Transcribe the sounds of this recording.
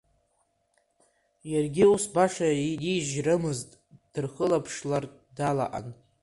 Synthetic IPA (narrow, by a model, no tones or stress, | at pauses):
jarɡʲiusbaʂaidiʒrɨmɨztʼd̥ɨrχəlapʰʂlar | dala̰ʔa̰n